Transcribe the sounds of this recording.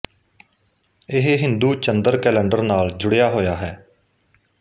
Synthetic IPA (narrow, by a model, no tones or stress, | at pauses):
ɪɦɦɪnd̪uːt͡ʃənd̪əɾkɛːlɛ̃ːɳɖəɾnaːld͡ʒʊɽejaːɦoːjaːɦɛː